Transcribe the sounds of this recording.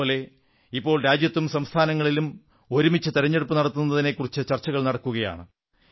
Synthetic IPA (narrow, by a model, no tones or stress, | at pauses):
oːle̞ | ipːo̞ːɭɾaːd͡ʑjɐt̪ːumsɐmst̪ʰaːnɐŋːɐɭilum | o̞ɾumit͡ɕːɨt̪iɾɐɲːeɽupːɨnɐɽɐt̪ːunːɐðine̞kːurit͡ɕːɨt͡ɕɐrt͡ɕːɐɣɐɭnɐɽɐkːuɣɐja̰ːɳɨ